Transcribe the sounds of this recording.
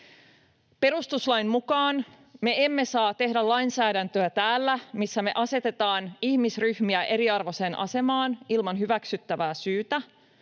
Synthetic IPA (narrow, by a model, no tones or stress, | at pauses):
pe̞ɾust̪uslɑjmmukɑːn | me̞emːe̞sɑːt̪e̞hdælɑjnsæːdænt̪øæt̪æːlːæmisːæme̞̰ʔɑse̞t̪e̞t̪ɑːnihmisryhmiæʔe̞ɾiɑrʋo̞se̞nʔɑ̰se̞mɑːnilmɑnɦyʋæksyt̪ːæʋæːsyːt̪æ